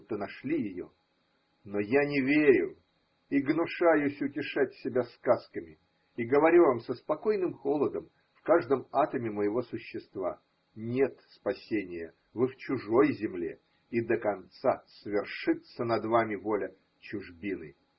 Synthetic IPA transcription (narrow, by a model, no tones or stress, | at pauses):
t̪ːənɐʂlʲijɪjo̰ | nojanʲɪvʲeɾʲʊ | iɡnʊʂajʊsʲʊtʲɪʂatʲsʲɪbʲaskaskəmʲɪ | iɡəvɐɾʲuvamsəspɐko̞jnɨmxo̞lˠəd̪əm | fkaʐd̪əmat̪əmʲɪməjɪvo̞sʊɕːɪst̪va̰ | nʲet̪spɐsʲenʲɪjə | vɨft͡ɕʊʐo̞jzʲɪmlʲḛ | id̪əkɐnt̪sasvʲɪrʂɨt̪sənɐd̪vamʲɪvolʲə | t͡ɕʊʐbʲinɨ̰